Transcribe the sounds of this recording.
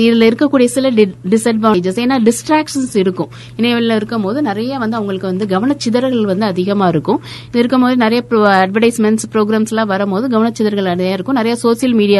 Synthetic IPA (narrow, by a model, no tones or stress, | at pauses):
ɪðɪlɪɾɯkːɐkːuːɽijɐsɪlɐɖɪsɐʈ̚bɐɐd͡ʒɐseːnːaːɖɪsʈɾaːkʂɐnsɪɾɯkːʊ̃ | ɪnɐʋɐlɪlɪɾɯkːɯmpoːðɯnɪɾɐjaːʋɐnd̪ɯɐʋɐŋɡɐɭɯkːɯʋɐnd̪ɯɡɐʋɐnɐt͡ʃːɪðɐɾɣɐɭʋɐnd̪ɯɐðɪɣɐmaːɪɾɯkːʊ̃ | ɪðɪɾɯkːɯmpoːðɯnɪɾɐjaɐɖʋɐʈɐɪsmɛnspɾoːɡɾaːmslãːʋɐɾɐmpoːðɯɡɐʋɐnɐt͡ʃːɪðɐɾɣɐɭɐɐjaːɪɾɯkːʊ̃nɪɾɐjaːsoːsɪjɐlmiːɽɪjaː